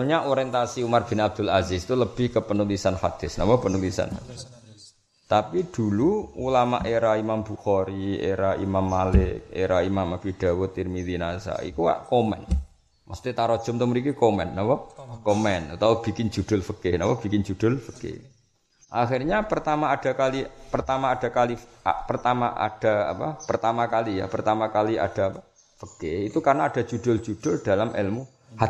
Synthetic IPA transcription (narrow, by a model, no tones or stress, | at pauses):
ɲaʔoɾɛnt̪asiumarb̥ɪnab̚d̪̥ʊlazɪst̪uləb̥ɪ̤hkəpənulisanfat̪ɪsnampɔpənulisa̰nfa̰t̪ɪ | t̪apid̪̥uluulama̰ʔeɾaimambuxɔɾiḛɾaḭmamːalɪḛɾaimamapiɖ̥a̤wɔt̪irmid̪inasa̰ḭkuwa̰ʔkomɛ̰n | mɔst̪it̪aɾɔd̥ʒ̥ɔ̤mt̪umɾikikomɛnnapɔkɔmɛnat̪aub̥ikɪnd͡ʒ̥uɖ̥ʊ̤lfəkɪhnapab̥i̤kɪnd͡ʒud̥ʊ̤lfə̥kɪ̰h | ʔaxirɲapərt̪amaːd̥a̤kalipərt̪amaːd̥a̤kalipərt̪ama̰ʔa̰d̥a̤a̰papərt̪amakalija̰pərt̪amakalia̰ɖ̥a̤pa | fəkɪhit̪ukarnaad̥a̤d͡ʒ̥uɖ̥ʊld͡ʒ̥uɖ̥ʊ̤ld̥a̤lamʔɛlmu | ha